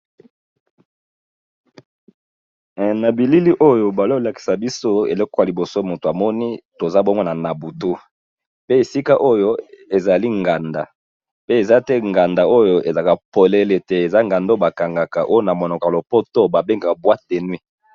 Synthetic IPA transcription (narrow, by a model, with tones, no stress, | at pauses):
na˨bi˨li˦li˦ʔo˦jo˦ba˨lo˦o˨la˨ki̥˨sa˨bi˦so˦ḛ˨lo˦ko˦a˨li˨bo˨so˦mo˨to˨a˨mɔ˦ni˦to˨za˦bo˦ŋɡo˦na˨na˨bu˨tu˦ | pe˦e˨si˦ka˦ʔo˦jo˦e˨za˨li˦ŋɡa˨nda˨ | pe˦e˨za˦tɛ˦ŋɡa˨nda˨o˦jo˦e˨za˨ka˨po˨le˨le˨te˨e˨za˦ŋɡa˨ndo˦ba˨ka˨ŋɡa˨ka˨ʔo˦jo˦na˨mo˨nɔ˨ka˨lo˨po˦to˦ba˨be˦ŋɡa˨ka˨bwa˦te˨nwi˦